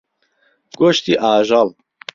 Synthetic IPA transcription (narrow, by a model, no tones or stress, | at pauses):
ɡ̥oʃt̪iʔaːʒɑl